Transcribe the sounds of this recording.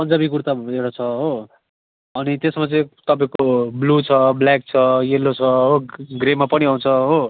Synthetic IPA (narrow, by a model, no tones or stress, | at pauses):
pʌnd͡zabikuɾt̪aeɾat͡sʰʌɦo | ʌnit̪esmat͡sʌĩt̪ʌpaĩkoblut͡sʰʌblak̚t͡sʰʌjelːot͡sʰʌɦoɡremːapʌniaũnt͡sʰʌɦo